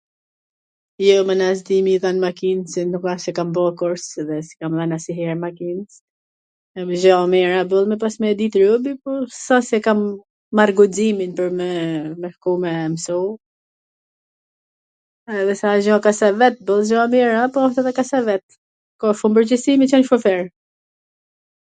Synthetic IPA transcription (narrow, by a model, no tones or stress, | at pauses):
jɔmanas̬d̪imiðanmakinsɛnukasɛkambɔkɔɾsðɛsi̥kamðanasiɦɛɾmakins | ɛmʒɔmɛɾabəlˠmɛp̬asmɛd̪it̪ɾubipɔsasɛkamː | aɾɡud͡ziminpəɾmɛmɛhkumɛmsɔ | ɛðɛsaʒɔ̃kasavɛt̪̚bəlˠʒɔmɛɾapɔɔft̪ɛðɛkasavɛt̪̚ | kɔfumbəɾd͡ʒɛsimit͡ʃɔnʃɔfɛɾ